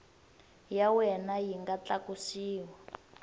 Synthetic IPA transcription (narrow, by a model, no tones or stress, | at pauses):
jawɛnajiŋɡat͡ɬakusiːwa